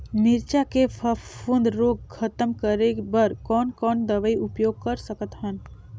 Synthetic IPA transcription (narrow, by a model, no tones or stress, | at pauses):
mɪɾt͡ʃakepʰəfʊ̃nd̪ɾoːɡkʰət̪əmkəɾebəɾkɔːnkɔːnd̪əʋəiʊpjoːɡ̚kəɾsəkət̪ɦən